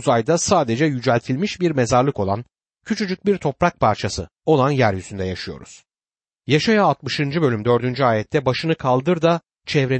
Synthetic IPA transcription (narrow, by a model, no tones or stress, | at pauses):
zajd̪asaːd̪e̞d͡ʒɛjyd͡ʒælʲt̪ʰilʲmiʃbiɾmezaɾlˠɯko̞lˠa̰n | cʰyt͡ʃʰyd͡ʒyc̚biɾt̪ʰo̞pɾak̚pʰaɾt͡ʃʰasɯ | o̞lˠanjæɾjyzynd̪ɛjaʃɯjo̞̰ɾṵz̥ | jaʃajaːt̪mɯʃɯnd͡ʒɯbø̞lʲymd̪ø̞ɾd̪ynd͡ʒyaːjɛt̪ʰːɛbaʃɯnɯkʰalˠd̪ɯɾd̪a | t͡ʃʰɛvɾe̞